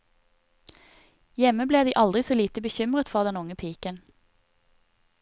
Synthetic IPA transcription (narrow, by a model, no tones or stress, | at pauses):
jɛməbleːd̪iːʔɑld̪ʁɪsoːliːt̪əbəçʏmʁət̪fɔʁd̪ɛnʊŋəpʰiːkən